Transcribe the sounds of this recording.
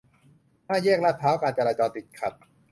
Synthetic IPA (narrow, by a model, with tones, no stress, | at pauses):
maː˥˩jɛː˥˩k̚la˦˥p̚t̪ʰaː˦˥wkaː˧˩t͡ɕaː˧ɾaː˧t͡ɕɔː˧nt̪i˨˩t̪̚kʰa˨˩t̪̚